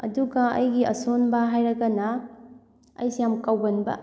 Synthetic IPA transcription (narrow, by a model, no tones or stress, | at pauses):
ɐ̰duɡɐɐ̰jɡiɐsonbɐɦajɾɐɡɐnɐ | ɐ̰jsijamkawɡɐnbɐ̰